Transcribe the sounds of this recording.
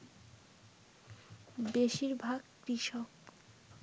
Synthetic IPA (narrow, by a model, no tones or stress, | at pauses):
beʃiɾbʱaɡkɾiʃok̚